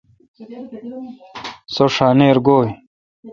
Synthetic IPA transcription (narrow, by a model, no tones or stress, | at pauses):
soʂaːneːɾɡoːj